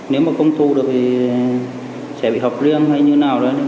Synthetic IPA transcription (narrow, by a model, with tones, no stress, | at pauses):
ne˨˦wmaː˨˩kə˧wŋ͡mt̪u˨˩ɗɨ˨˩ək̚t̪ʰi˨˩ | sɛ̰˧˩ɓḭ˧˨hɔ˨˩k͡p̚zi˧əŋha˧jɲɨ˧naː˨˩wɗə˨˦jn˧˦